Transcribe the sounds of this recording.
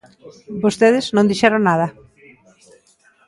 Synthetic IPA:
bost̪eðɪznõnd̪iʃɛɾonaðɐ

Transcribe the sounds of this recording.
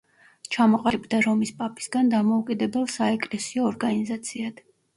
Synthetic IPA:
t͡ʃʰamɔqʼalɛbd̪aɾɔmispʼapʰi̥sɡand̪amɔukʼid̪ɛbɛlˠsaɛkʼlɛsiɔːɾɡanizat̪sʰiad̪̥

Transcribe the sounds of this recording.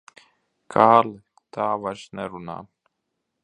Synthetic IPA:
kʰaːl | t̪aːvaʃneɾuna̰n

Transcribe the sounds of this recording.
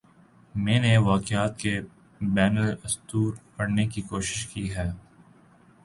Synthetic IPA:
mɛ̃ːneʋaːkjaːt̪ke | bɛːnəlɪst̪uːɾkɐɽnekikoːʃɪ̥ʃkiɦɛː

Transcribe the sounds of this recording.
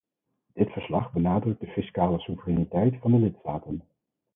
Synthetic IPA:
d̥ɪtfəɹslɑχbənaːdrɵɡ̚dəfiskaːləsuvərɛnitɛjtfɑndəlɪtstaːtən

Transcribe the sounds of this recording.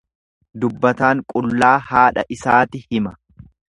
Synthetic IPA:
d̪ʊbːɐt̪aːŋkʼʊlːaːhaːᶑɐ̰ʔɪsaːt̪ɪhɪmɐ̥

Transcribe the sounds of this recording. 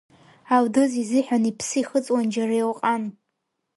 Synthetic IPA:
awdɨzizɨħʷᶣanipʰsɨiχət͡sʼwand͡ʒarajewqʼan

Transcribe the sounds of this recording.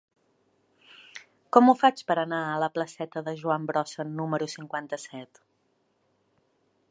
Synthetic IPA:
kɔmufat͡ʃpəɾənaələpləsɛt̪əðəʒuambɾɔsənuməɾusiŋkwant̪əsɛt̪

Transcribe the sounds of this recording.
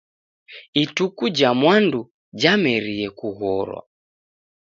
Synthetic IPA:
itukud͡ʒamwandu | d͡ʒamɛɾiɛkuɣɔɾwa̰

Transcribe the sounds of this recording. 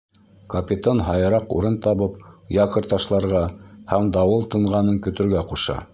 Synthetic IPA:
kɐpʲit̪onɦɑjɤ̆ɾɑqṵɾɤnt̪ɑβɤpjɑqɤ̆ɾt̪ɑʃlˠɑɾʁɑhæmd̪ɑwɤlˠt̪ɤ̆ɴʁɑnɤŋkɵ̆t̪ɵ̆ɾɡæquʃɑ̰

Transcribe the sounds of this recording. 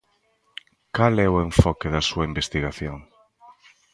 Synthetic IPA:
kalɛʊeɱfɔkeðɐsuɐimbest̪iɣaθjoŋ

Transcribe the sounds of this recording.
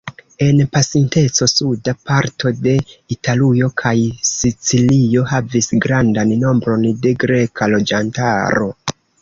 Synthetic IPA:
e̞npasinte̞t͡so̞sudapaɾtʰo̞de̞italujo̞kʰajsit͡silio̞havisɡɾandanno̞mbɾo̞nde̞ɡɾe̞kʰalo̞d͡ʒanta̰ɾo̞̰

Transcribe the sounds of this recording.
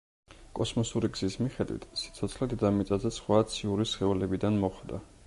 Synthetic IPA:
kʼɔsmɔsuɾiɡz̥ismiχɛd̪wḭt̪ʰsi̥t̪sʰɔt̪sʰlɛd̪id̪amit̪sʼazɛsχwaːt̪sʰiuɾisχɛulɛbid̪anmɔχd̪a̰

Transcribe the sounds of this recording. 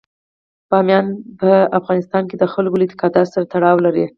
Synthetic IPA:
b̥ɑmjɑnpəafɣɑnɪst̪ɑnked̪əxəlɡolɪt̪ɪ̥kɑd̪ɑtsaɾat̪aɽɑwlaɾi

